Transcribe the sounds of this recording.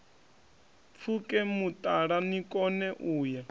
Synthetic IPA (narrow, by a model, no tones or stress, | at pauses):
fʰukʼɛmut̪ʼaɺanikʼɔnɛʔuːja